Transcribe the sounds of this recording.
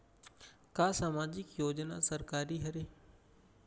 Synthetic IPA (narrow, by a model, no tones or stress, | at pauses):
kaːsaːmaːd͡ʒɪkjoːd͡ʒna̰səɾkaːɾiɦɐɾe